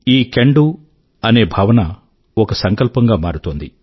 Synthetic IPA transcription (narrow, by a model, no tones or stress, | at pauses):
iːkeɳɖu | ɐne̞ːbʱɐːʋɐnɐ | ɔkɐsɐŋkɐlpɐŋɡaːmaːɾut̪oːnd̪i